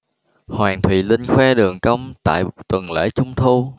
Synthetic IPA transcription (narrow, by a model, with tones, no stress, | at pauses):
hwaː˨˩ŋt̪ʰwḭ˧˨lï˧ŋ̟xwɛ˧ɗɨ˨˩əŋkə˧wŋ͡mt̪a̰ː˧˨jt̪wə˨˩nlḛ˧˥t͡ɕʊ˧ŋ͡mt̪ʰu˧